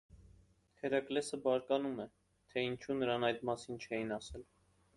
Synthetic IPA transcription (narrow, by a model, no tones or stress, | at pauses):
kʰɛɾɑklɛsəbɑɾkɑnumɛ | t̪ʰɛint͡ʃʰunəɾɑnɑjd̪mɑsint͡ʃʰɛjinɑsɛl